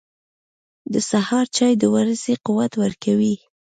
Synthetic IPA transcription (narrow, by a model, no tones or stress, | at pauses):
d̪əsahɑɾt͡ʃɑjd̪əwaɾəsequwat̪wəɾkawi